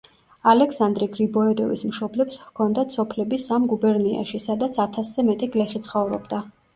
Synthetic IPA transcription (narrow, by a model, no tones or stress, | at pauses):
alɛksand̪ɾiɡɾibɔɛd̪ɔvḭsmʃɔblɛpskʰɔnd̪at̪sʰɔpʰlɛbisamɡubɛɾnia̰ʃisad̪at̪sʰat̪ʰaszɛmɛt̪ʼɛɡlɛχit̪sʰχɔvɾɔ̰bd̪a